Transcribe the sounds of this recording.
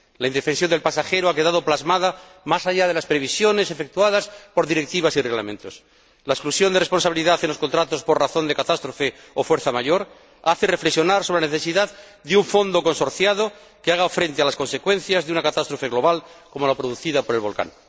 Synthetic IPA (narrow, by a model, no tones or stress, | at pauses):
laind̪e̞fe̞ns̬jo̞nd̪elpasaxeɾoake̞ðaðo̞plazmaða | masaʝað̞e̞laspɾe̞β̞isjo̞ne̞se̞fe̞k̚t̪uaðaspo̞ɾðiɾe̞k̚t̪iβ̞asireɣla̰mẽ̞nt̪o̞s | laesklusjo̞nd̪erespo̞nsaβiliðaθenlosko̞nt̪ɾat̪o̞spo̞rraθo̞nd̪ekat̪ast̪ɾofe | ofweɾθamaʝo̞ɾ | aθere̞flesjo̞naɾso̞βaneθe̞siðað | d̪euɱfo̞nd̪o̞ko̞nso̞ɾθjaðo̞ | keaɣ̞afɾe̞nt̪ealasko̞nse̞kwe̞nθjazðeunakat̪ast̪ɾo̞fe̞ɣlo̞β̞alko̞molapɾoðuθiðapoɾe̞lβo̞lka̰ŋ